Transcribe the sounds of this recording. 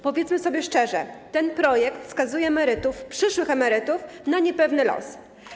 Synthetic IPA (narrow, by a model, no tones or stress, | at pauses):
pɔvʲjɛt̪smɘsɔbʲjɛʂt͡ʂɛʐɛt̪ɛnpɾɔjɛkt̪skazujɛmɛɾɘt̪ufpʂɘʂwɘxɛmɛɾɘt̪ufnaɲɛpɛvnɘlɔ̰s